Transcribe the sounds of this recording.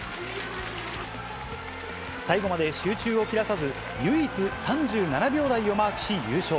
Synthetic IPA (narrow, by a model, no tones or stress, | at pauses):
saiɡo̞mad̪e̞ɕɨːt͡ɕɨːo̞kʲiɾasazɨ | jɯːit͡sɨsãɲd͡ʑɨːnanabʲo̞ːd̪aio̞maːkɯ̟̥ɕijɯːɕo̞ː